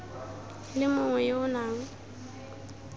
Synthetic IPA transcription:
lɪmʊŋwɛjeʊnaːŋ̩

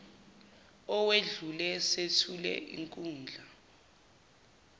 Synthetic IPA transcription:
ɔweɮulɛsetʰulɛ̰ʔḭŋkʼuːnd͡ɮʱa

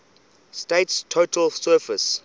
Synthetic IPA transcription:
steɪtstʰotʰəlsɜːfəs

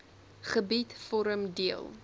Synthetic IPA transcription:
χəbitfɔɾəmdiəlˠ

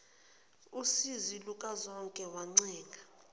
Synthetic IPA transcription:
usizilukʼazɔŋkʼɛwaŋ͡ǀɛːŋɡʱa

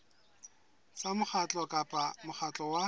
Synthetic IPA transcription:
samʊχʰat͡ɬʼɔkʼapʼamʊχʰat͡ɬʼɔwa

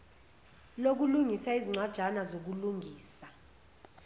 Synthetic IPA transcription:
lok̬uluŋisaiziŋ͡ǀwad̥ʒ̥ʱanazok̬uluŋiːsa

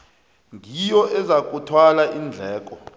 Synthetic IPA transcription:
ŋʱijɔʔɛzak̬ʼutʰwalaʔind͡ɮʱɛːk̬ʼɔ

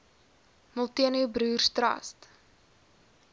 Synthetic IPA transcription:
mɔlˠtiənubɾuːrstrɐ̰st

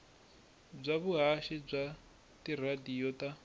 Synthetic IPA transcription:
b͡ʐʷaβuɦaʃib͡ʐʷa | tiradijɔta

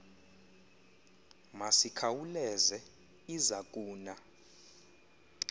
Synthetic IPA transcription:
masikʰawulɛzɛ | izak̬ʼuːna

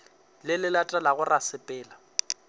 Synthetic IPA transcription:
lɪlɪlatʼalaɣʊrʔasɪpʼɛːla

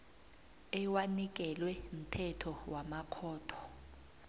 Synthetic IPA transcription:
ɛwanik̬ɛlwɛm̩tʰɛtʰɔwamakʰɔːtʰɔ̥

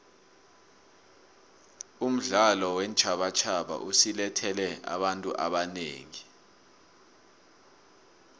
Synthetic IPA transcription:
um̩ɮalɔwɛnt͡ʃʰʼaɓat͡ʃʰaɓa̰ʔusilɛtʰɛlɛa̰ɓantʼṵʔa̰ɓanḛːŋi

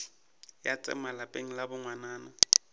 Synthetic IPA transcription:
jat͡sʼɛ̰malapʼeŋ̩labʊŋwanaːna

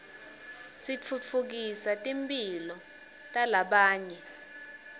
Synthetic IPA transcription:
sit͡fʰut͡fʰuk̬isatʼimpʼilɔ | tʼalaɓaːɲɛ

